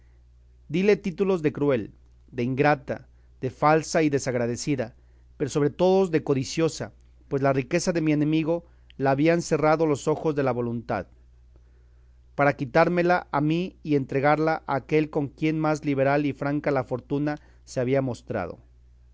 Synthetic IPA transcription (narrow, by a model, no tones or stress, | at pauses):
d̪ile̞t̪it̪ulo̞zðe̞kɾwe̞l | d̪e̞iŋɡɾat̪a̰ | ð̥e̞falsaiðe̞saɣɾað̞e̞siða | pe̞ɾo̞so̞βɾet̪o̞ðo̞zðe̞ko̞ðisjo̞sa | pwe̞zlarike̞saðe̞mie̞nẽ̞miɣo̞ | laːβianse̞raðo̞lo̞so̞xo̞zðe̞laβo̞lunt̪a̰ð | paɾakit̪aɾme̞laʔamiːe̞nt̪ɾe̞ɣaɾlaʔaːke̞lko̞ŋkje̞nmazliβ̞e̞ɾalifɾaŋkalafo̞ɾt̪una | seaβ̞iamo̞st̪ɾa̰ð̞o̞̰